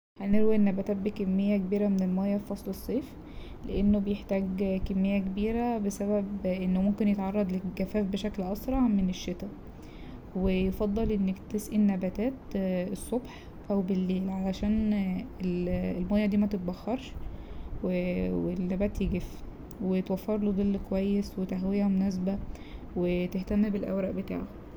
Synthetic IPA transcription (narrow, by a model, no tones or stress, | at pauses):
hæneɾwienːæbæt̪æːt̪̚bikemːejːækebiːɾæmennelmæjːæffɑsˤlesˤːeːf | leʔenːobejeħt̪æːɡkemːejːækebiːɾæbesæbæbʔenːomomkenjet̪ʕɑrˤːɑd̪ˤleɡæfæːfbeʃæklʔɑsɾˤɑʕmeneʃːet̪æ | wejefɑd̪ˤːɑlʔenːekt̪esʔinːæbæt̪æːt̪esˤːobħ | ʔæwbelːeːlʕalæʃæːnelmojːɑd̪iːmæt̪et̪̚bæxːɑɾˤʃ | wewelːæbæːt̪jeɡef | wet̪wæfːɑɾˤlod̪ˤelːkowæjːeswet̪æɦwejæmonæs̬bæ | wet̪eht̪æmːbelʔæ̰wɾɑʔbet̪a̰ːʕho